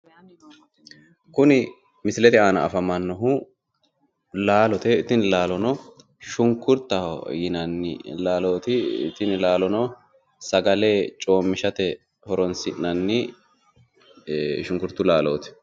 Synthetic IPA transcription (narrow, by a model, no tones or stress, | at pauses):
kʊnɪ | mɪslɛt̪ɪaːnɐʔɐfɐmɐnːɔɦʊ | laːlɔt̪ɛɪt̪ːɪnɪlaːlɔnɔ | ʃʊŋkʊɾt̪ːɐ̰jɪnɐnɪ̰laːloːt̪ɪ̰t̪ɪnɪlaːlɔnɔ | sɐɡɐle̞ːt͡ʃʼo̞ːmːɪʃɐt̪ɛ | hɔɾɔnsɪʔnɐnːɪ | ʃʊŋkʊɾt̪ːʊlaːloːt̪ɛ̥